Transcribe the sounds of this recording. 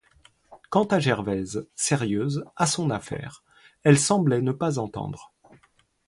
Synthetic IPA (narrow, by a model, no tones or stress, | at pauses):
kɑ̃t̪aʒɛʁvɛzsɛʁjøːzasɔ̃nafɛ̰ːʁ | ɛlsɑ̃blɛnəpazɑ̃t̪ɑ̰̃d̪ʁ